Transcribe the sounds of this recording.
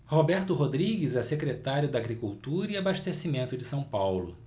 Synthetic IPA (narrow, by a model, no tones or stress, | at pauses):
hobɛɾt̪ʊɦod̪ɾiɡɪzɛsekɾet̪aɾjʊd̪ɐaɡɾikuwt̪uɾɐiabaʃt̪esimẽnt̪ʊd͡ʒɪsɐ̃w̃pawlʊ̰